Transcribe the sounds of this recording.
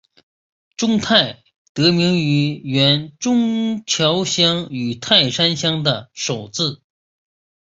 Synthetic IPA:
ʈ͡ʂʊ˥ŋt̪ʰa˥˩ɪ | t̪ɤ˧˥mi˧˥ŋy˧˥ɥɛ˧˥nʈ͡ʂʊ˥ŋt͡ɕʰjɑ˧˥ʊɕjɑ˥ŋy˨˩t̪ʰa˥˩ɪʂa˥nɕjɑ˥ŋd̪ə˨ʂo˨˩ʊt͡sɹ̩˥˩

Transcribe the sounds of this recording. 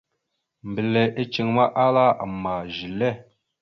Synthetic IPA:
m˨bi˨lɛ˨ʔe˦t͡ʃe˨ŋma˦ʔa˦la˦a˨ma˨ʒi˨lɛ˦˨

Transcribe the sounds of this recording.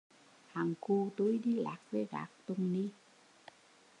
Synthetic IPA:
haː˨˩ŋku˧t̪u˨˦jɗi˧la̰ː˨˩k̚vḛ˨˦ɣa̰ː˨˩k̚t̪ʊ˧˩ŋ͡mni˧

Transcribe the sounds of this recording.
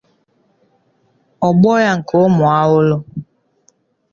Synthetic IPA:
ɔ˨ɓɔ˦ja˨ŋ̩˨ko˨˦mɔ˨a˨˦wo˦lo˦

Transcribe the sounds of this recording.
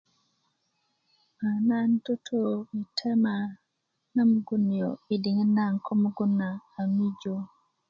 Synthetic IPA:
ma˨na˦nto˦tʰo˦˨mi˨tʰɛ˦ma˨ | na˦mu˦ɡu˦ni˨jo˨i˨di˨ŋe˦na˦˨ŋkʰɔ˦mu˦ɡu˦nːaː˨mi˦d͡ʒo˦

